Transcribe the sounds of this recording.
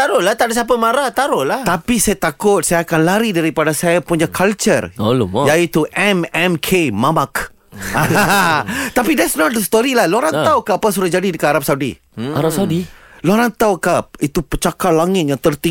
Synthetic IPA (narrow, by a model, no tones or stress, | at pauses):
t̪aɾʊlaht̪aʔdasap̬əmãɾaht̪aɾʊʔlaht̪apisajat̪akʊt̪̚sajakanlaɾidaɾipadasajapuɲakʰalt͡ʃərolumjait̪uʔɛmɛmkʰemamak | t̪apidɛtsnɔt̪̚d̪əst̪ɔɾilahloɾant̪aukaapas̬udahd͡ʒadidəkanaɾap̚sawudḭ | aɾapsawdiloɾant̪awkait̪upət͡ʃakalaŋɪt̪̚jaŋt̪ərt̪i